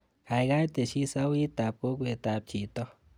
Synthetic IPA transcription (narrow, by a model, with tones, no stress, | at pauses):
kʰa˨jɡa˦jt̪e˨ʃi˦sa˦wi˦t̪a˨p̚ko˦kwe˨t̪a˨p̚t͡ʃʰi˨t̪ɔ˦